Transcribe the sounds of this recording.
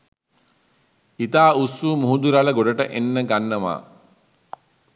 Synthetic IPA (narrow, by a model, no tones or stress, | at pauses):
it̪aːusːuːmuɦud̪uɾaləɡoɖəʈəʔenːəɡanːəma̰ː